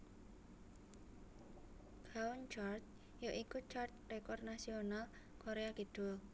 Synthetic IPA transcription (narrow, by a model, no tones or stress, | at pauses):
ɡ̥aunt͡ʃart̪̚ | joʔikut͡ʃart̪rekɔrnasional | koɾeakid̥ol